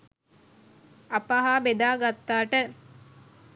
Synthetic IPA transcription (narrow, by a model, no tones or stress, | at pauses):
ɐpaɦaːbed̪aːɡat̪ːaːʈə